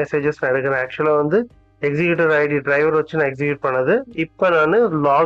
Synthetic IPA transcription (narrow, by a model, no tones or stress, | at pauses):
ɛseːd͡ʒɐsnãːɛɽɯkːɐɾẽːæːk̚t͡ʃʊɛlaːʋɐnd̪ɯ | ɛksɪkjuːʈɐɾaɪɽiɖɾɐɪʋɐɾʋɐt͡ʃːɯnãːɛks̬ɪkjuʈ̚pɐɳːɐðɯɪpːonaːnɯlaː